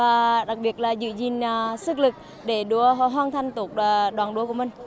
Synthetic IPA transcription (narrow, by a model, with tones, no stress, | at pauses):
vaː˨˩ɗa˨˩k̚ɓi˨˩ət̚laː˨˩zɨ̰˧˨zi˨˩nː˨˩sɨ˦˥k̚lɨ˨˩k̚ | ɗe˧˩ɗu˨˦əɦɔ˧˩ɦwaː˧nt̪ʰa˧jŋ̟t̪o˨˩k̚ːɗwaː˨˩nɗu˨˦əku˧˩əmï˨˩ŋ̟